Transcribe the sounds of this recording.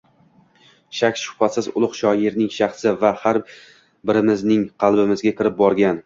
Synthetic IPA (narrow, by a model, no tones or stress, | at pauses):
ʃakʲʃʊ̥hfasɪzʊ̰lˠʊqʃɒjɪɾnɪŋʃaχsɪvahaɾ | bɪɾɪmɪznɪŋqʰɑlˠbɪmɪzɡʲakʲʰɪɾɪp̚bɒɾɡʲan